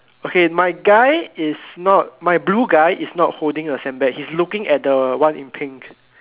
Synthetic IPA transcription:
okemaɪɡaɪɪsnɔt̚majbluːɡaɪʔisnɔt̚holdɪ̃ŋdəsɛ̃nbɛk̚hislukɪ̃ŋɛt̚dəwãnĩmpʰĩŋk

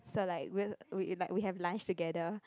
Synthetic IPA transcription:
solaɪkwiwilaɪkwiɦɛvlãnt͡ʃtuɡɛdə

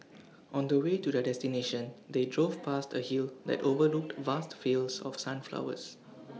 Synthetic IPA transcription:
ʔɔ̃ndəwetudədɛstineʃə̃ndedɹovpʰastəhild̪ɛ̰tovəluk̚tvastfilsɔ̰fsãnfla̰ʊə̰s

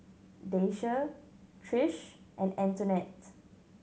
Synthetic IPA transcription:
deʃətʰɹɪʃ | ʔɛ̃nɛ̃ntənɛt

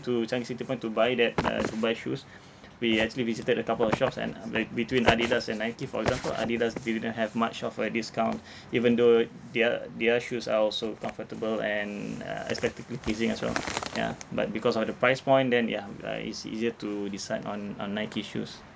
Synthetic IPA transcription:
tut͡ʃãisitipɔ̃ɪ̃ntubajdɛt̚ə̰tubajʃṵs | wiɛk̚t͡ʃuəlivisitədəkapəlɔfʃɔpsɛ̰̃nbitwĩna̰didasɛ̃nːajkifɔɹɛ̰ɡzãmpə̰la̰didasdididə̃nɦɛvmat͡ʃɔfədisə̥kãw̃nt | ivə̃ndo | dadiaʃusa̰ɔlsokɔ̃ɱfətəbəlɛ̃nə̰ɛ̰spɛk̚tikəlipɹisĩŋɛswɛ̰lja̰ba̰t̚bikɔsɔfdəpɹaɪspɔ̃j̃ndɛ̃nja̰ḭsḭziətudisaɪdɔ̰̃nɔ̰̃nːaɪkiʃṵs

